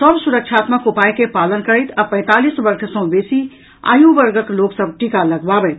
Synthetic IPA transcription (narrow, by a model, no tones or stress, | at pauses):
səbsuɾək̚t͡ʃʰaːt̪məkupajkepalənkəɾəɪt̪ʰapə̃ɪ̃t̪alisbəɾkʰsə̃ʊ̃besi | a̰ːjũbəɾɡəkloksəb̚ʈikaləɡbabət̪